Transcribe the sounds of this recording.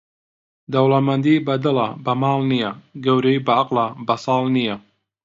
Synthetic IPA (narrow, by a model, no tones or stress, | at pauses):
d̪ɐwlɐmɐnd̪ibɐd̪ɨlabɐmɑːlˠnijɐɡɐwɾɐibɐʔaqlabɐsˤɑːlˠnijɐ